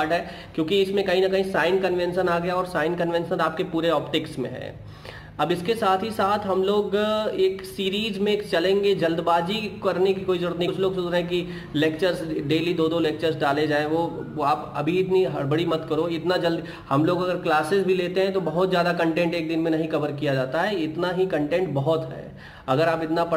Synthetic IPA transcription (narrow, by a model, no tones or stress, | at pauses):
ɖɦɛː | kjõːkiɪsmẽkɐɦĩnɐkɐɦĩsaːɪnkɐnʋɛ̃nsənaːɡɐjaɔːɾsaːɪnkɐnʋɛ̃nʃənaːp̚kepuːɾeɔːpʈɪksmḛ̃ɦɛ̰̃ | ɐbɪskesaːt̪ʰɦisaːt̪ʰɦɐmloːɡeːksiːɾiːzmẽːkt͡ʃɐlẽːŋɡed͡ʒɐld̪baːd͡ʒikɐɾnekikoːizʊɽət̪nit͡ʃʰloːɡsʊt̪ɾɛɦɛ̃ki | leːkt͡ʃəɾzɖeːlid̪oːd̪oleːk̚t͡ʃəɾzɖaːled͡ʒaːẽʋoaːpɐ̰bʱiɪt̪niɦɐbɐɽimɐt̪kɐɾoɪt̪nad͡ʒɐld̪ | hɐmloːɡɐɡəɾklaːsɪzbʱileːt̪eɦɛ̃t̪obɐɦʊt̪zjaːd̪akɐ̃ɳʈẽːɳʈeːk̚d̪ɪnmẽnɐɦĩxɐʋəɾkijad͡ʒaːt̪aɦɛɪt̪naɦikɐ̃ɳʈẽːɳʈ̚bɐɦʊt̪ɦɛ̰ː | ɐɡəɾaːpɪt̪napɐ